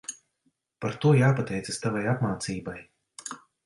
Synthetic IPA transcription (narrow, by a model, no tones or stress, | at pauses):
paɾt̪uɔjaːpat̪ɛjt̪sɨst̪avajapmaːt̪siːbaj